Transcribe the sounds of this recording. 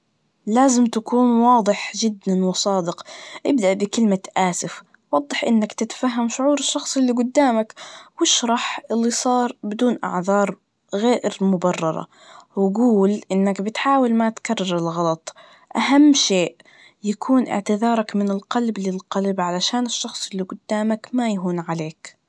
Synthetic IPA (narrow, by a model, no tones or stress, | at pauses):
laːzɪmt̪akuːnwɑːd̪ˤɨħd͡ʒɪd̪ːanwɪsˤɑːd̪ɪqʔɪbd̪aʔbɪkɪlmaʔaːsɪf | wɑd̪ˤːɨħʔɪnːakt̪ɪt̪ḁfaɦːamʃʊʕuːɾɪʃːɑxsˤɪlːiɡʊd̪ːaːmakwɪʃɾˤɑħʔɪlːisˤɑːɾˤbɪd̪uːnʔɑ̰ʕðɑːɾˤ | ɣeːʔɾmʊbɑrˤːɑ̰ɾˤɑ̰ | wɪɡuːlʔɪnːakbɪt̪ħaːwalmat̪karˤːɑɾˤɪlɣɑlɑt̪ˤ | ʔaɦamːʃeːʔ | jakʰuːnʔɪ̰ʕt̪ɪðɑːɾˤɑkmɪnɪlqɑlblɪlqɑlbʕalaʃaːnɪʃːɑxsˤɪlːiɡʊd̪ːaːmakmajaɦuːnʕaleːk